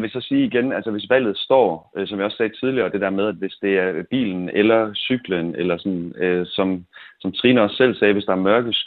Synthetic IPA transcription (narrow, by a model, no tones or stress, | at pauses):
ʋe̝sɒ̽siːiɡ̥enælsəʋe̝sʋæl̰ð̩ˠsd̥ɒ̰ːsɒ̽mʋiɒ̽sːɛ̥ːt͡sʰið̞ˠliɐːd̥e̝d̥æɐmeð̞ˠæd̥ʋe̝sd̥e̝æɐb̥ḭːln̩elɐsyɡ̥lənelɐsɒ̽nøsɒ̽msɒ̽mt͡sʰʁiːnɐɒsːel̰sɛːʋe̝sd̥ɑ̈æɐmɶɐɡ̥əs